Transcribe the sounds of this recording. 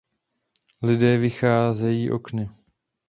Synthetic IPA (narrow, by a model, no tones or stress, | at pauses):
lɪdɛːvɪxaːzɛjiːʔo̞̰knɪ